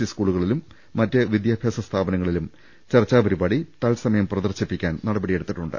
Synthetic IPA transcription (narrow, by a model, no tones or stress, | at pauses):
iskuːɭuɣɐɭilumː | ɐtːɨʋid̪jaːbʱjaːsɐst̪ʰaːbɐnɐŋːɐɭilum | t͡ɕɐrt͡ɕːaːpɐɾubaːɽit̪aːɭlsɐmɐjɐmprɐðɐrt͡ɕɐpːikʲːaːnnɐɽɐbɐɽije̞ɽut̪ːiʈːuɳɖɨ̰